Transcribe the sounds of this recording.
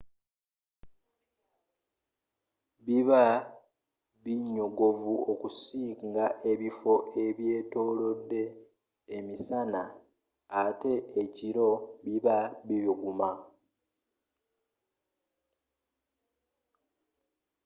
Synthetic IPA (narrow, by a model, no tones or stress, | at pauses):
βiβa | βiɲo̞ɡo̞vuokusiːŋɡaʔe̞βifo̞ʔe̞βje̞ːto̞ːlo̞dːe̞ː | misanaː | te̞eciɾo̞βiβaβiβiɡuma